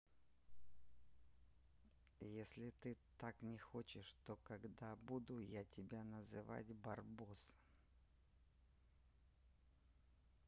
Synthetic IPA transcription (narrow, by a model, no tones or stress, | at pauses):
jesʲlʲɪt̪ɨt̪aknʲɪxot͡ɕɪʂt̪okɐɡd̪abud̪ʊjatʲɪbʲanəzɨva̰tʲbɐrbus